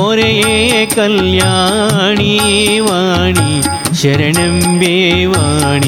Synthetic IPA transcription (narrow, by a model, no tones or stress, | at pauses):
oɾɐjekɐljaː | ɳi | ʋaː | ɳi | ʃɛɾɐnɐm | beːʋaː | ɳi